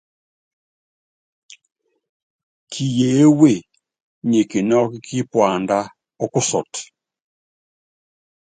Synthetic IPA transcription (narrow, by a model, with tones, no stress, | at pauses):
kʰi˨je˨˦we˦˨ | ɲe˨ke˨nɔ˦ki˦kʰi˦pwa˨nda˦ | ɔ˦ku˦sɔ̰˨t